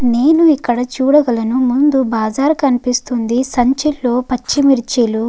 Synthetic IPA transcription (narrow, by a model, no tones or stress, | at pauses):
neːnuikːɐɽɐt͡ʃuːɽɐɡɐlɐnumund̪ubaːd͡ʒaːɾukɐnipist̪und̪isɐɲt͡ʃilːo̞ːpɐt͡ʃːimiɾt͡ʃelu